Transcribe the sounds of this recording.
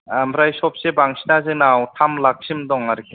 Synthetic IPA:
amɾajsɔp̚sebaŋsinazɯnawtʰamlak̚sʰimdɔŋaɾkʰe

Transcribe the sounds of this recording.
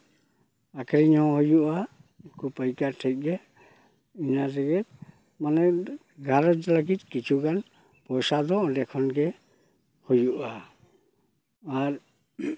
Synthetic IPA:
akɾiɲhɔ̃hɔjuʔa | kʰupajkatʰɛjt̚ɡɛ | inadɛɡɛt̪ | manɛ | ɡʱaɾɔdɛlaɡit̪̚kit͡ʃʰuɡan | pɔjsad̪ɔʔɔdɛkʰɔnɡɛ | hujuʔa | ɾ

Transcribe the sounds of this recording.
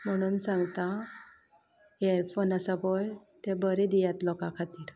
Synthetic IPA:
m̤əɽ̃uːnsãŋɡt̪a | eɾpʰonasabojt̪ebəɾed̪ijat̪lɔkakʰat̪iːɾ

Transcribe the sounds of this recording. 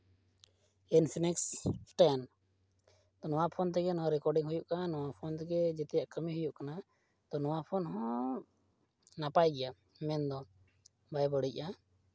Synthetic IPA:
ɛnsinɛkssʈajan | t̪ɔnɔwapʰɔnt̪̬ɛɡɛnɔwaɾɛkɔɖiŋɦujuʔkaanɔwapʰɔnt̪ɛɡɛd͡ʒɛt̪ɛjaʔkəmihujuʔkana | t̪ɔnɔwapʰɔnɦɔ̃ | napajɡɛja | mɛnd̪ɔ | bajbəɽic̚a

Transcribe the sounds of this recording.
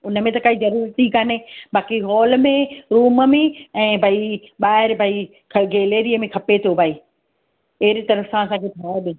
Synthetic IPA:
ʊnə̆mẽt̪ɐkaːizɐɾuːɾt̪ikanebaːkiɦɔːlmẽɾuːməmẽɛ̃ːbʱaːi | ɓaːɦɪɾbʱaːi | kʰɐɡeːleːɾiəmẽkʰɐpet̪ʰobʱaːi | ɐɪɾit̪ɐɾəfsãɐsãːkʰeːt̪ʰaːɗɪ̃

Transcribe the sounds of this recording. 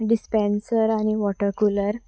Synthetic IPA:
ɖispẽnsəɾaɽ̃iʋɔʈəɾkuləɾ

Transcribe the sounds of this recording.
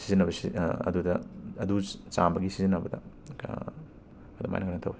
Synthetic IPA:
sizinɐbɐsiɐ̰dudɐɐdut͡ʃambɐɡisizinɐbɐdɐ̰ | ɐdɐma̰jnɐŋkaɾnɐt̪ʰɐ̰we

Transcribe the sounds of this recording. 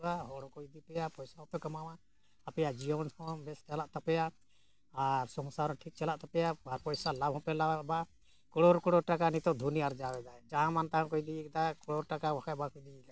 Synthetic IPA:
aɦɔɽɔ̃kɔjd̪ipɛjapɔjsaɦɔ̃pɛkamawã | apɛjad͡ʒijɔnhɔ̃bɛsʈɛlaʔt̪apɛja | aɾsɔŋsaɾɔ̃ʈʰik̚t͡ʃɛlaʔt̪apɛjaaɾpɔjsalabʱɔ̃pɛlabaʔba | kɔɽɔɾkɔɽɔɾʈakanit̪ɔd̪ʱuniaɾd͡ʒawɛd̪ad͡ʒaɦãmant̪aɦãkɔjd̪iikd̪akɔɽɔɾʈakawɔkʰaʔbakɔjd̪iɛka

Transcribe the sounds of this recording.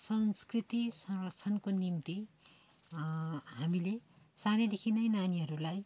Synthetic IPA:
sʌnskrit̪isʌŋrʌt͡sʰʌnkonimt̪i | ɦamile | saned̪ekʰinʌjnaniɦʌɾulaj

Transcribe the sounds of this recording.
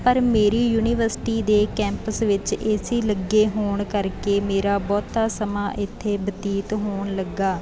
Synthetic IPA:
pəɾmeːɾiːjuːniːʋəɾsɪ̥ʈiːd̪eːkɛ̃ːmpəsʋɪt͡ʃeːsiːləɡːeːɦoːɳkəɾkeːmeːɾaːbɔːt̪ːaːsəmaːʔɪt̪ʰːeːbət̪iːt̪ɦoːɳləɡːaː

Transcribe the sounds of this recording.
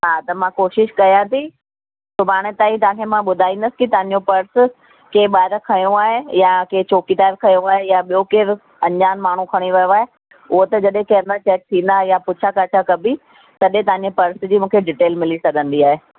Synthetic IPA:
ɦaːt̪ɐmãkoːʃɪʃkɐjãt̪ʰi | sʊbʱaːɽ̃et̪ãːĩt̪ɐãːkʰemãɓʊd̪ʱaːĩːn̆d̪əsɪ̥kɪt̪ɐʋ̤ãɲ̆d͡ʑopɐɾs | keːɓaːɪɾkʰɐjõaːɦejakeːt͡ɕoːkit̪aːɪɾkʰɐjõaːɦejaɓijokeːɾ | ɐ̃ɲd͡ʑaːnmaːɳ̤ukʰɐɽ̃iʋɐjoaːɦe | ʊɦot̪ɐd͡ʑɐɗẽkɐɦə̃nd̪at͡ɕɛːk̚t̪ʰĩːnd̪aɦjapʊt͡ɕʰakaːt͡ɕʰakɐbʱi | t̪ɐɗẽt̪ɐ̃ʋãɲd͡ʑepɐɾsd͡ʑiːmũːkʰeɖɪʈeːlmɪlisɐɡʱə̃nd̪iaːɦeː

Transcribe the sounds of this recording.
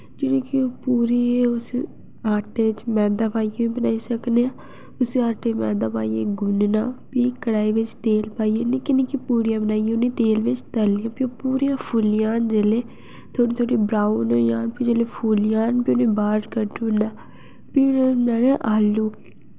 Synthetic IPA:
d͡ʒɪnẽːkɪoːpuːɾeʊs | aːʈeːɪt͡ʃmɛ̃ːd̪aːpaːijeːĩːbənaːiːsəkneːãː | ʊseaːʈeːmɛːd̪aːpaːijḛːɡʊnnaːpiːkəɽaːiːʋɪt͡ʃt̪eːlpaːieneːkɪnẽːkipuːɾijãːbənaːijeʊnẽːt̪eːlʋɪt͡ʃt̪əlɪjãːpioːpuːɾijãːpʰuːlɪjãːnd͡ʒeːleː | t̪ʰoːɽiːt̪ʰoːɽiːbɾaːunojaːnpiːd͡ʒeːleːpʰuːlɪjãːnpiʊnẽːbaːɖkəɾʈunaː | piːnenaːneʔaːlːuː

